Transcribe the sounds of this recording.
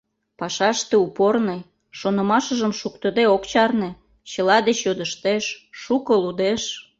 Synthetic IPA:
pɑʃɑʃt̪ĕuporne | ʃonə̆mɑʃə̆ʒəmʃukt̪ə̆d̪eokt͡ɕɑrnĕ | t͡ɕə̆lɑd̪et͡ɕjod̪əʃt̪eʃːukəlud̪eʃ

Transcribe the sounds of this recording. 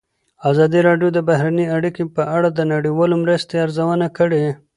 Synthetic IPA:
azɑd̪iɾɑɖjod̪əbahɾaniaɽikepəʔaɽad̪ənaɽiwɑlomɾəst̪eaɾzawənakəɽe

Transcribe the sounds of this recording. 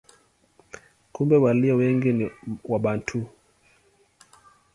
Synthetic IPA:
kumbɛwaliɔwɛŋɡiniwaɓantʰu

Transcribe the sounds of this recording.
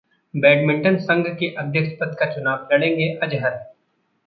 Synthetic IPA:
bɛːɖmɪ̃ɳʈənsɐ̃ŋɡʱkeʔɐd̪ʱjəkʃpət̪kat͡ʃʊnaːʋlɐɽẽːŋɡeʔɐd͡ʒɦəɾ

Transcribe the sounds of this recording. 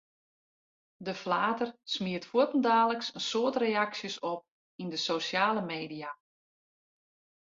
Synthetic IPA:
dəflaːtərsmiətfutən̩daːləksənsoətreaksjəsɔp̚ | indəsoːsjaːləmeːdija

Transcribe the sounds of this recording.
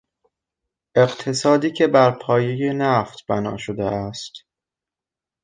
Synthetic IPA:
ʔe̞qt̪ʰe̞sɒːd̪iːcʰe̞bæɾpʰɒːje̞jenæft̪b̥ænɒ̰ːʃod̪eʔæst̪

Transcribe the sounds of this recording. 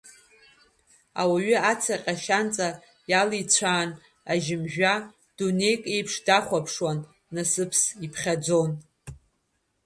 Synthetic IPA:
a̰waɥʏat͡sʰaqʲʼaʃant͡sʼa | jalit͡sʷʰaːn | aʒɪmʒᶣa | d̥une̞jkʼe̞jpʰʂdaχʷapʰʂwanː | asɨpʰsipʰχʲad͡zo̞n

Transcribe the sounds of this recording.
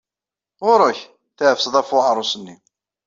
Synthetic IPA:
ʁʊɾˤʊç | θæhəfsðˤæfʊʕɾˤʊsənːi

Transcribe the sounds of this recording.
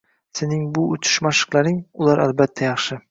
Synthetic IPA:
sɪnɪŋbʊʊt͡ʃʰɪ̥ʃmaʃɨ̥qlˠaɾɪŋʊlˠaɾʔalbat̪ʰːajɑχʃɪ

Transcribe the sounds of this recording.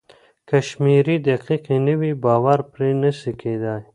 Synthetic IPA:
kaʃmiɾid̪aqiqenəwibɑːwaɾpɾenəsikʰed̪aj

